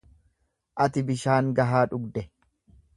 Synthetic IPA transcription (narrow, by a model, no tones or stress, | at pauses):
ʔɐt̪ɪbɪʃaːŋɡɐɦaːᶑʊɡd̪ɛ